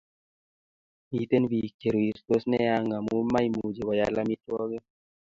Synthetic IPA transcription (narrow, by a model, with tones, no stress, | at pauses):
mi˨te˦nbi˨ke˨ɾu˨i˨sto˦snɛ˦ja˦ŋɡa˨mu˦ma˦jmu˨d͡ʒe˨wa˨ja˨la˦mi˦twɔ˦ɡɛ˦